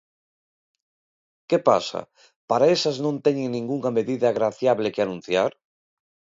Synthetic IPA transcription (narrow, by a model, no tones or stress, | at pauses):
kepa̰sa̰ | paɾaesaznõnt̪ɛɲeŋnĩŋɡuŋameðiðaːɣɾaθjaβlekeanũnθjaɾ